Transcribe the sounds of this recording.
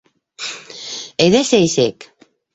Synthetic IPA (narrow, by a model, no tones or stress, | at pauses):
eðesejsek